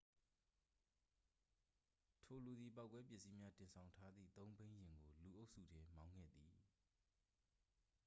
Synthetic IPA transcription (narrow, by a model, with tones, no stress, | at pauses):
tʰo˨lu˨d̪ði˨pa˦ʊkːwɛ˦pjɪ˦ʔsi˦mja˦tɪ̃˨nsʰã˨ʊ̃ntʰa˦d̪ðḭ˦˨t̪õ˦ʊ̃mbẽ˦ɪ̃jɪ̃˨ŋɡo˨lu˨ʔo˦ʊʔsṵ˦˨dɛ˦mã˦ʊ̃ŋɡɛ̰˦˨d̪i˨